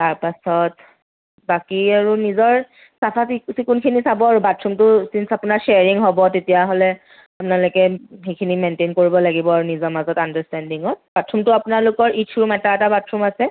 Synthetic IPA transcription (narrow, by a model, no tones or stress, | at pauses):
taɹpasɔt | bakiaɹunizɔɹ | sapʰasiksikunkʰinisabɔaɹubatʰɹumtʊsinsapʊnaɹʃeaɹiŋɦɔbɔtetijaɦolɛ | apʊnalojkɛɦekʰinimentenkoɹibɔlaɡibɔaɹunizɔmazɔtandastɛndiŋɔt̚b̥atʰɹumtʊapʊnaɹlʊkɔɹitʰuɹmataɛtabatʰɹumasɛ